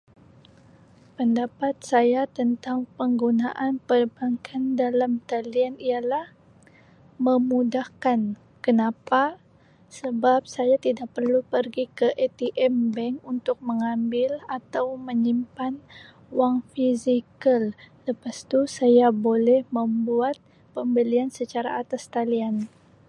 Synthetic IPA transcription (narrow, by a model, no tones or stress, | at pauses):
pəndapat̪̚sajat̪ənt̪aŋpəŋɡunaʔanpərbaŋkʰandalamt̪alianialah | mə̃mudahkan | kənapa | səbap̚sajat̪idaʔ̚pərlupərɡikəʔet̪iʔɛmbɛŋunt̪ʊk̚məŋambɪlat̪awməɲimpan | waŋfizikalləpast̪usajabolɛhməmbuat̪̚ | pəmbəliansət͡ʃaɾa̰at̪ast̪alian